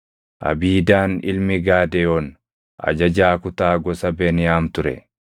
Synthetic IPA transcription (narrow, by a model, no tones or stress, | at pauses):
ʔɐ̰biːd̪aːnɪ̰lmɪɡaːd̪ɛjoːn | ʔɐ̰d͡ʒɐd͡ʒaːkʊt̪aːɡɔsɐbɛnɪjaːmt̪ʊɾɛ̰